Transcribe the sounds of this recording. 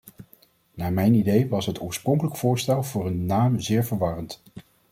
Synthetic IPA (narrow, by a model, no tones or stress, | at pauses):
naːɹmɛjnidejʋɑsɦətʊːɹsprɔŋkələkv̥ʊːɹstɛlˠvʊːrənːaːmzɪːɹvəɹʋɑrənt